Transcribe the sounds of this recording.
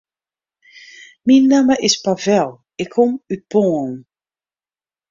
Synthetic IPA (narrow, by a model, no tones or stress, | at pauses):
minːaməʔɪspavɛl | ekʰːɔmyb̥ɔ̃n